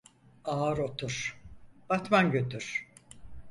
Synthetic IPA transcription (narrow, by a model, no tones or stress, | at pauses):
aːɾo̞t̪ʰuɾ̥b̥at̪manɟøt̪ʰyɾ̥